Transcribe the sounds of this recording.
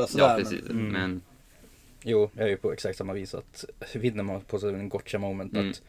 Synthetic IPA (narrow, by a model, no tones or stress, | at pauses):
sɑɛsḭsmɛn | juːjæhɑɾjʊpʰɔɛksɑk̚t̪sɑmːɑʋiːsɑ̰t̪ʋɪd̪nəmɑpʰɔsɛnɡɔt̪ːʃɛmoʊmənt̪ɑt̪